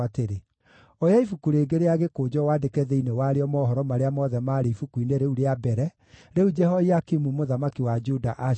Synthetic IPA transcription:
ateɾe | ɔjaifukuɾeːɡeɾeaɣekod͡ʑɔwadekɛðɛinewaɾeɔmɔːɦɔɾɔmaɾeamɔðɛmaːɾeifukuineɾeuɾeabɛɾɛ | ɾeud͡ʒɛɦɔiakimumoðamakiwad͡ʒudaʔa

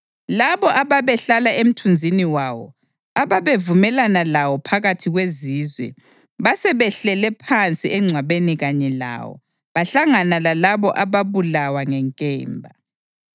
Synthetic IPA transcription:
laβɔʔaβaβɛɬalaʔem̩tʰund͡zʱiniwawɔ̰ | aβaβevumɛlanalawɔpʰaɣatʰiɣweziːzwɛ̰ | βasɛβɛɬɛlɛpʰant͡sʼiʔɛŋ͡ǀʱwaβeniɣaɲɛla̰wɔ̰ | βaɬaŋanalalaβɔʔaβaβulawaŋɛŋkʼɛ̰ːmbʱa

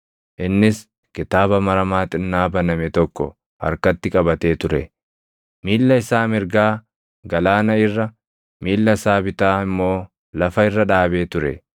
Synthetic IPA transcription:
ʔɪnːɪs | kɪt̪aːbɐmɐɾɐmaːt̪ʼɪnːaːbɐnɐmɛt̪ɔkːɔ̰ | hɐ̰ɾkɐt̪ːɪkʼɐbɐt̪e̞ːt̪ʊɾɛ | miːlːɐɪsaːmɪɾɡaː | ɡɐlaːnɐɪrːɐ | miːlːɐsaːbɪt̪aːɪmːo̞ː | lɐfɐɪrːɐᶑaːbe̞ːt̪ʊɾɛ̰

